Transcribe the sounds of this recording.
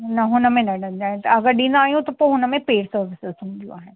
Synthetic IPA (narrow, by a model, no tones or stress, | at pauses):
nɐɦʊnəmẽnɐɖənd͡ʒ̪aːẽt̪ɐɐɡəɾɖĩːnd̪aːjõt̪ɐpoɦʊnəmẽpeːɽsəɾʋɪsɪzɦʊ̃nd̪ijṵ̃aːɦɛ